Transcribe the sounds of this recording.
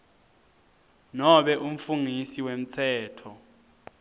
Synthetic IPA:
nɔɓɛʔum̩fuŋisiwem̩t͡sʰɛːtʰɔ

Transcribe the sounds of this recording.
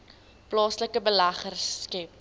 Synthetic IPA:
plɑːsləkəbəlɐχərskɛp̚

